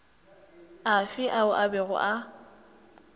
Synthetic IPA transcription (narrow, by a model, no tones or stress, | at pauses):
afɪʔaʊʔabɛɣʊ̰ʔa